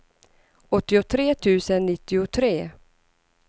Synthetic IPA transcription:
ɔt̪ːɪʊt̪ʰɾeːt̪ʰʉ̟ːsənːɪt̪ːɪʊt̪ʰɾeː

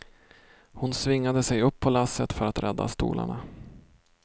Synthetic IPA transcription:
hʊnsvɪŋːad̪əsɛjɵpʰːɔlasːət̪fœɾat̪ɾʔɛd̪ːa̰st̪ṵːla̰ɳa

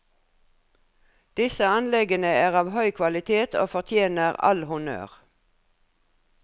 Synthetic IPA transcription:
d̪̥ɪsəɑnlɛɡənəæːʁɑːʋhœʏkʰʋɑlɪt̪ʰeːt̪ʰo̰ːfɔʁt̪ʰjeːnəʁɑ̰lhʊnø̰ːʁ

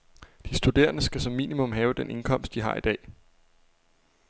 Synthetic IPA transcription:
d̥isd̥ud̥e̝̰ːɐnəsɡ̥æsɒ̽mːḭːnimɔ̽mɦɛːʊd̥enʔe̝nkʰɒ̽m̰sd̥iɦɑ̈id̥ɛ̰ː

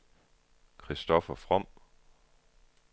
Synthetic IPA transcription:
kʰʁisd̥ɒfɐfʁɔm̰

